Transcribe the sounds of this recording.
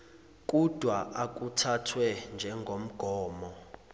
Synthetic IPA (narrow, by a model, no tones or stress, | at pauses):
k̬ʼud̥ʱwaak̬ʼutʰatʰwɛnd͡ʒʱɛŋɡʱom̩ɡ̥ʱɔːmɔ